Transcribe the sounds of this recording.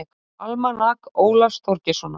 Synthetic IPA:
k | almanakoːwlast̪ʰɔɾcɪsɔna

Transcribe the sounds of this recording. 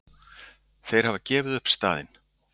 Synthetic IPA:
θejɾ̥havacɛːvɪðʏhpst̪a̰ːðɪ̰n

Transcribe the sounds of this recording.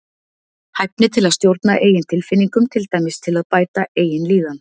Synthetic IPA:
hajp̚nɪt̪ʰɪlaðst̪jowɾt̪naʔeːjɪnt̪ʰɪlfɪnːiŋkʏmt̪ʰɪlt̪aːjmɪst̪ʰɪlaðpaːjt̪aʔeːjɪnliːðan

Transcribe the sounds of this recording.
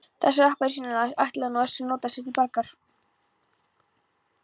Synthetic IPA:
θɛsːaɾahpaɾ̥siːnanaajht̪lɛɣnɔɛssɛmnoːt̪asjɛt̪ilpaɾkaɾ̥

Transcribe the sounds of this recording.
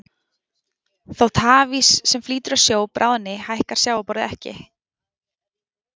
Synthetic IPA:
θawt̪ʰaːvisːɛmfliːt̪ʏɾawsjoːwpɾʔa̰ːwðnɪhajhkaɾ̥sjawapɔɾðɪɛhcɪ̰

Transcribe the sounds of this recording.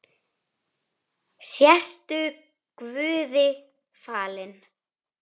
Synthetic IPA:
sjɛr̥t̪ʏ | kvʏːðɪ | faːlɪn

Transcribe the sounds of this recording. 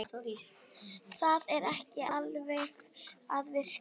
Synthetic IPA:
t̪awɾiːs | θaðɛɾɛhcɪalvejɣaðvɪɾ̥

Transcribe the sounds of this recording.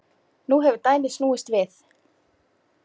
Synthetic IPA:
nuɦɛvʏɾt̪aːjnɪ̥snuːɪst̪vɪθ

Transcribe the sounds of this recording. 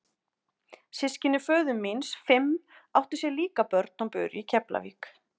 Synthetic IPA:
sɪscɪnʏfœːðʏmːinsfɪmawht̪ʏ̥sjɛliːkapœɾt̪̚nɔpʏːɾicʰɛpla̰vḭːk

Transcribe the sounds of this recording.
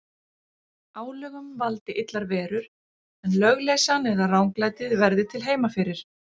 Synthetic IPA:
aːwlœːɣʏmvalt̪ɪʔɪt̪laɾvɛːɾʏɾ̥ | ɛnlœɣlejsanɛðarawŋklaːjt̪ɪðvɛɾðɪt̪ʰɪlɦeːjmafɪɾɪɾ̥

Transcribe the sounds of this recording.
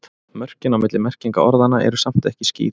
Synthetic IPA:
mœr̥cɪnawmɪt̪lɪmɛr̥ciŋka̰ɔɾðanaʔɛ̰ɾʏsam̥t̪ɛhcɪscḭːð

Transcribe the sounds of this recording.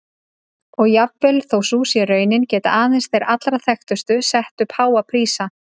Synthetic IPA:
ɔɣjapvɪlθowsuːsjɛrœːɥnɪncɛːt̪a̰ʔaːðɪnsθejɾʔat̪lɾaθɛxt̪ʏst̪ʏsɛht̪ʏpʰhaːwapʰɾiːsa

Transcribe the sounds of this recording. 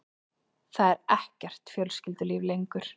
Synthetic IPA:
θaðɛɾɛhcɛr̥t̪fjœlscɪlt̪ʏlɪːvlejŋkʏɾ̥

